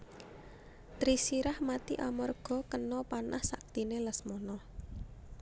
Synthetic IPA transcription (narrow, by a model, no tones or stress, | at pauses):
t̪ɾisiɾahmat̪iʔamɔrɡ̥ɔ̤kənɔpanahsak̚t̪ineləsmɔnɔ